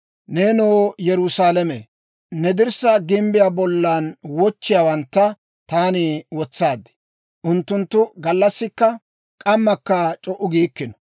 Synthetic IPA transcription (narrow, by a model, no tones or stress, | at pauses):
neːnoːjɛɾʊsaːlɛmḛ | nɛd̪ɪɾsɐɡɪmbɪjaːbɔlːaːnwɔt͡ʃːɪjaːwɐnt̪ːɐ | t̪aːnɪwɔt͡sːaːd̪ːɛ̥ | ʔʊnt̪ːʊnt̪ːʊɡɐlːɐsːɪkːɐ | kʼɐmːɐkːɐt͡ʃʼɔʔːʊɡiːkːɪnɔ̥